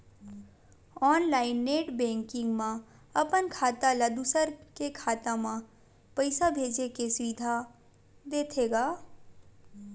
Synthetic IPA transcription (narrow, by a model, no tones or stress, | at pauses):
ɔːnlaːɪnːeːʈbɛ̃ːŋkɪ̃ŋɡmã | ɐpənkʰaːt̪aləd̪usəɾkekʰaːt̪ãmã | pəɪsabʱeːd͡ʒekesʋiːd̪ʱa | d̪eːt̪ʰeːɡaː